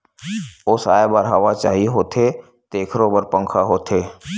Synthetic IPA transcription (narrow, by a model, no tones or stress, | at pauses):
oːsaːebaːɾɦɐʋat͡ʃaːɦiɦoːt̪ʰe | t̪eːkʰɾobəɾpə̃ŋkʰaɦoːt̪ʰeː